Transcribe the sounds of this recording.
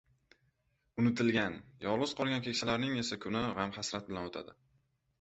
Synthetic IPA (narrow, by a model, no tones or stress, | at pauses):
ʊnɪt̪ʰɪlɡʲanjɒlˠʁɨz̥qʰɒlˠɡʲankʲʰe̞kʲsalaɾnɪŋe̞sakʰʊnɪʁamhasɾat̪̚bɪlanot̪ʰa̰d̪ɪ